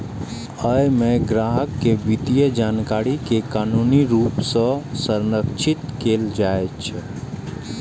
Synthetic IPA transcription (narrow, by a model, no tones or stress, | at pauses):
əjmeɡɾaɦəkːebit̪ijəd͡ʒankaɾikekanuniɾupsə̃səɾnəkt͡ʃʰit̪keld͡ʒaet͡ʃʰ